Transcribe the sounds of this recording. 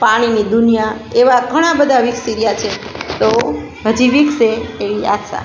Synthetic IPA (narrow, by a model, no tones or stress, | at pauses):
paɽ̃inid̪unijaeʋaɡʱəɽ̃ãbəd̪ʱaʋiksiɾjat͡ʃʰet̪o | ɦəd͡ʒiʋikseːʋia̰t̪ʃa̰